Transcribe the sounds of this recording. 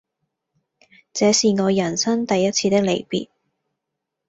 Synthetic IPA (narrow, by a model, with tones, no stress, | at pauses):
t͡sɛː˨˧siː˨ŋɔː˨˧jɐ˨˩nsɐ˥ŋt̪ɐ˨jːɐ˥t͡sʰiː˧t̪ɪ˥k̚le˨˩jpḭː˨t̚